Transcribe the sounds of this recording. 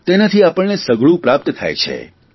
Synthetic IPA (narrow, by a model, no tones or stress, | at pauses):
t̪enət̪ʰiapəɭnesəɡɭũpɾap̚t̪t̪ʰa̰jt͡ʃʰḛ